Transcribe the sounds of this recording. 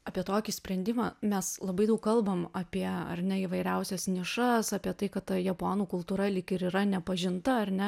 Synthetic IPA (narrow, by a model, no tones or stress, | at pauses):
ɐːpʲiɛt̪oːkʲisʲpʲɾʲɛnʲd̪ʲɪmɑːmʲɛslˠɐbɐɪd̪ɐʊkkɐlˠbɐmɐpʲiɛɐ̰ɾʲnʲɛiːʋɐɪɾʲɛʊsʲɛsnʲɪʃɐsɑːpʲiɛt̪ɐɪkɐttɐjɛpoːnuːkʊlˠt̪uːɾɐlʲɪkɪɾiːɾɐnʲɛpɐʒʲɪnt̪ɐɐɾʲnʲɛ